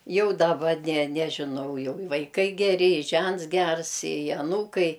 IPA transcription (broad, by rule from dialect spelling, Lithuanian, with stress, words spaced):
ˈjɛʊ dɐˈbɐ nʲɛ ˈnʲæːʒʲɪnɐʊ jɛʊ ɪ ʋɐɪˈkɐɪ ɡʲɛˈrʲɪ ɪ ˈʒʲɛnts ˈɡʲɛrs ɪ ɐˈnuːkɐɪ